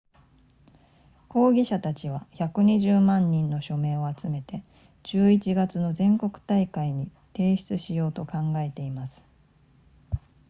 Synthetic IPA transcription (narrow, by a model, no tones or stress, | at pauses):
ko̞ːɡʲiɕat̪at͡ɕiβ̞açakɯ̟ɲ̟iʑɨːmãɲ̟ːĩnːo̞ɕo̞mẽ̞ɰ̃o̞at͡sɨme̞t̪e̞ | d͡ʑ̥ɨːit͡ɕiɡat͡sɨno̞zẽ̞ŋko̞kɯ̟̥t̪aikaiɲ̟it̪e̞ːɕi̥t͡sɨɕijo̞ːt̪o̞kãŋɡae̞t̪e̞imasɨ̥